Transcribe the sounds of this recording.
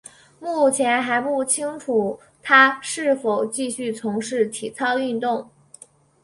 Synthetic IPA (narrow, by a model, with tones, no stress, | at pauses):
mu˥˩t͡ɕʰjɛ˧˥nxa˧˥ɪpu˥˩t͡ɕʰi˥ŋʈ͡ʂʰu˨˩ | t̪ʰa˥ʂɻ̩˥˩fo˨˩ʊt͡ɕi˥˧ɕy˥˩t͡sʰʊ˧˥ŋʂɻ̩˥˩t̪ʰi˨˩t͡sʰɑ˥˧ʊy˥˧nt̪ʊ˥˩ŋ